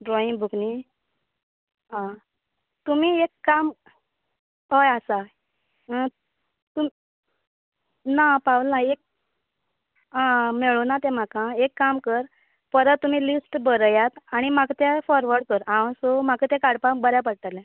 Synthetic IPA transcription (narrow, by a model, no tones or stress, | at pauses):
ɖɾɔĩŋbʱukni | ɦã | t̪um̤iekːam | ɦɔjasa | t̪um | napaulnaek̚ | ãmeɭunat̪ɛm̤akãekːamkəɾ | pəɾətt̪ːum̤iːlisʈbəɾjat̪aɽ̃imakt̪efɔɾʋəɾɽkəɾãw̃somakət̪ɛ̃kaɽpabəɾjapəɽt̪alɛ̃